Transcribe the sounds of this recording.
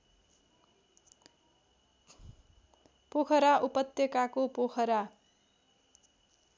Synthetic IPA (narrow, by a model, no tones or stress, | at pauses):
pokʰʌɾaʔupʌt̪jʌkakopokʰʌɾa